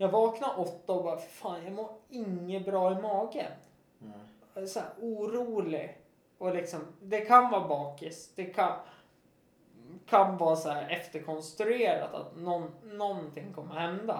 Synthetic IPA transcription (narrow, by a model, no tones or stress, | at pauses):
jɑːɡvɑːknaɾʔɔt̪ːaɔbɑːɾfaːnjaɡmoːɾɪŋːəbɾɑːɪmɑːɡə̰n | sɔæːɾuːɾuːlɪ | ɔlɪksɔmd̪ɛkʰanvɑːbɑːkɪsd̪̥ɛkʰan | kʰanvɑːɾsɔæːɾɛft̪əɾkʰɔnst̪ɾɵeːɾa̰t̪a̰t̪nɔnːɔnt̪ʰɪŋːkʰɔmːəhɛnd̪a̰